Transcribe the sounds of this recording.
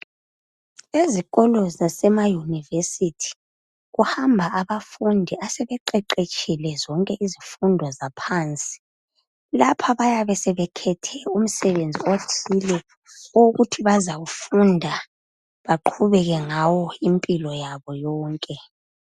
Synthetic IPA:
eziɣɔlɔzasɛmajunivesitʰi̥ | ɣuhambʱaaβafundʱiasɛβɛǃɛǃet͡ʃʰʼilɛzɔŋkʼɛʔizifundʱɔzapʰaːnt͡sʼi̥ | lapʰaβajaβɛsɛβɛkʰɛtʰɛum̩sɛβend͡zʱiotʰilɛ | oɣutʰiβazaɣufundʱa | βaǃʰuβɛɣɛŋawɔimpʼilɔjaβɔjɔːŋkʼɛ

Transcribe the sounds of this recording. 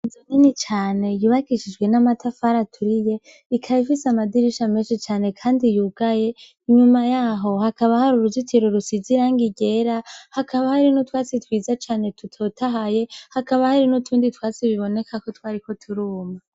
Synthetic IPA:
zoninit͡ʃaːne̞juβakiʃid͡ʒɡwe̞namatʰafaɾatʰuɾije | ikʰajifisamadiɾiʃame̞ːnʃit͡ʃaːne̞kʰaːndijuɡ̥aje̞ | iɲumajaːɦo̞hakaβahaɾuɾuzitʰiɾoɾusiziɾaːŋɡiɟe̞ɾahakʰaβahaɾinutwaːt͡sitwiːzat͡ʃaːne̞tutʰo̞tʰaɦaje̞hakaβahaɾinutʰuːnditwaːt͡siβiβo̞ne̞kʰako̞twaːɾiko̞tʰuɾuːma

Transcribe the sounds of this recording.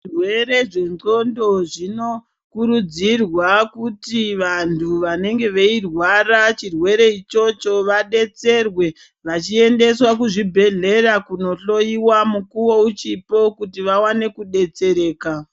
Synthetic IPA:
irweɾe̞ʐe̞nd͡zo̞ndo̞ʐino̞ | kuɾud͡zirwakutiʋantʰuʋane̞ŋɡe̞ʋe̞irwarat͡ʃirwe̞ɾe̞it͡ʃo̞t͡ʃo̞ʋaɗe̞t͡se̞rwe̞ | ʋat͡ʃie̞nde̞swakuʐibʱe̞ɮe̞ɾakuno̞ɬo̞iwamukuwo̞ut͡ʃipo̞kutiʋawane̞kuɗe̞t͡se̞ɾe̞ːka

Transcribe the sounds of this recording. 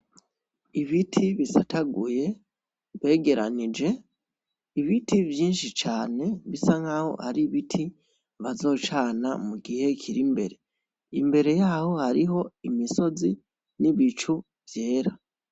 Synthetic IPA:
iβitʰiβisataɡuje̞ | βe̞ːɡe̞ɾanid͡ʒe̞ | iβitivjiːnʃit͡ʃaːne̞βisaŋ̥aːho̞̰ha̰ɾiβitʰi | βazo̞ːt͡ʃaːna̰muɡihe̞kʰiɾimbe̞ɾe̞ | imbe̞ɾe̞jaːho̞haɾiɦo̞imiso̞zi | niβit͡ʃu | vje̞ːɾa

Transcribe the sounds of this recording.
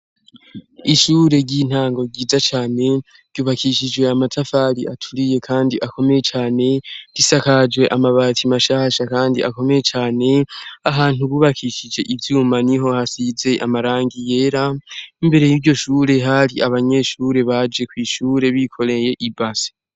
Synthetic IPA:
iʃuːɾe̞ɾɟin̥haːŋɡo̞ɟiːzat͡ʃaːne̞ | ɾɟjuːβakʰiʃid͡ʒwe̞amatʰafaɾḭʔatʰuɾije̞kʰaːndiʔako̞me̞je̞t͡ʃaːne̞ɾ̥isakad͡ʒwe̞ʔamaβatʰimaʃaːʃakaːndḭʔako̞me̞je̞t͡ʃaːne̞aɦaːn̥uβuːβakʰiʃid͡ʒe̞ʔivjuːmaniɦo̞hasize̞ʔamaɾaːŋɡije̞ːɾaimbe̞ɾe̞jiɾɟo̞ʃuːɾe̞ɦaɾiʔaβaɲe̞ːʃuːɾe̞βad͡ʒe̞kwiːʃuːɾe̞βikʰo̞ɾeje̞ʔibasi̥

